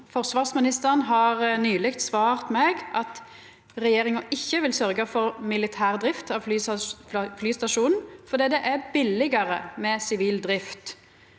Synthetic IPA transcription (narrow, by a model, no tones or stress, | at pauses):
fɔʁsʋɑːʁsmɪnɪst̪əʁənɦɑʁnyːlɪkt̪sʋɑːʁt̪mɛɡɑt̪ | ʁɛjeːʁɪŋɑʔɪçːəʋɪlsœʁɡəfɔʁmɪlɪt̪ʰæːʁd̪ʁɪft̪ɑʋflyː | flyːst̪ɑʃuːnnfɔd̪iːd̪ɛʔæbɪlːɪɡəʁəmɛsɪʋiːld̪ɾɪft̪